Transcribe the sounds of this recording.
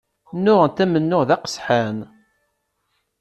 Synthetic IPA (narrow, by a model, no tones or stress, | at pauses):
nːʊʁənt̪ːæmənːʊʁðæqə̥sħan